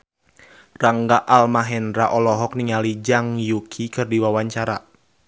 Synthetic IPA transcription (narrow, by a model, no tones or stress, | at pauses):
raŋɡaʔalmaɦɛndɾaʔɔlɔɦɔk̚niŋalid͡ʒaŋjukʰikɨrdiwawaɲt͡ʃaɾa